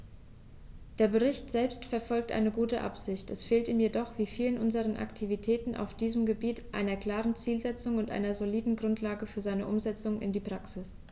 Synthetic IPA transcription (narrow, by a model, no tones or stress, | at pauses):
d̥eːɐbəʁ̞ɪçtz̥ɛlpstfɛɐfɔlk̚tʔa̰ɪnəɡuːtəʔa̰pz̥ɪçtɛsfeːltiːmjedɔχv̥iːfiːlənʔʊnzəʁ̞ənʔa̰ktʰivitʰɛːtn̩ʔa̰ʊfd̥iːzəmɡəbiːtʔa̰ɪnɐkl̥aːʁənt͡siːlzɛt͡sʊŋʊntʔa̰ɪnɐzoliːdn̩ɡʁʊntʰlaːɡəfyːɐzaɪnəʔʊmzɛt͡sʊŋʔɪ̰ndiːpʁ̥aksɪs